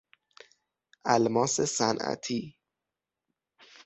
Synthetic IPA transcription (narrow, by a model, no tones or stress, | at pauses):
ʔælmɒːsesænʔæ̰t̪ʰiː